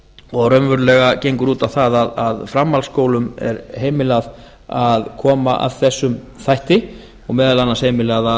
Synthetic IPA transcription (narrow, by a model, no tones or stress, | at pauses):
ɔɣrœnvʏɾlɛɣacejŋkʏɾuːt̪awθaðaðaðfɾamːalskoːwlʏmɛ̰ɾɦeːjmɪlað | aðkʰɔːmaʔa̰ðθɛsːʏm | θajht̪ɪ | ɔɣmɛːðalanːashejmɪlaða